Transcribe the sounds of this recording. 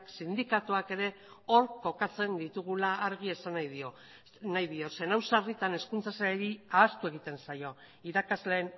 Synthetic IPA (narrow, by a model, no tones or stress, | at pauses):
ksind̪ikat̪uake̞ɾe̞ | o̞ɾko̞kat͡se̞nd̪it̪uɣ̞ulaːɾɣie̞sanajðio | najðio̞se̞nawsarit̪ane̞skunt͡sasaeɾiaːst̪ue̞ɣ̞it̪e̞nsajo̞ | iɾakazle̞ːn